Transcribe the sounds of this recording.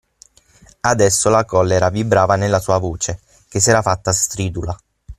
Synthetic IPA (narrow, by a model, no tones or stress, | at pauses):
ad̪ɛsːolakɔlːeɾavibɾaːvanelːasuːavoːt͡ʃe | kes̬ːɛːɾafat̪ːast̪ɾiːd̪ula